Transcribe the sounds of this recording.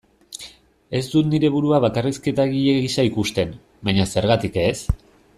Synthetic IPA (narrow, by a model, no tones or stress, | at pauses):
e̞zd̪ut̪niɾe̞βuɾuaβakariske̞t̪aɣieɣisaikust̪e̞n | baɲase̞ɾɣat̪ike̞s